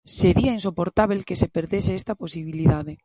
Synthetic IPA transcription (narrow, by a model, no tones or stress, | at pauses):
seɾiains̬opoɾt̪aβelkesepeɾðeseest̪aposiβiliðaðe